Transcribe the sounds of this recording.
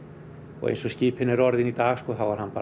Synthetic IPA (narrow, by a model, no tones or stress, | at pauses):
ɔ̰ɣḛjnsɔsciːphɪnːɪɾɔɾðɪnit̪aːɣskɔːθawvaɾ̥hanːpaː